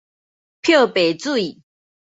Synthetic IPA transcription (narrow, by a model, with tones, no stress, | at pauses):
pʰjo˥˨pe˨˩ɪt͡su˥˨i˨˩